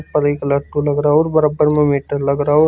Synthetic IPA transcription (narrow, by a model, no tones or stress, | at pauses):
pɐɾiklɐʈːulɐɡɾaːoːɾbɐɾaːbːəɾmẽmeːʈəɾlɐɡɾaːoː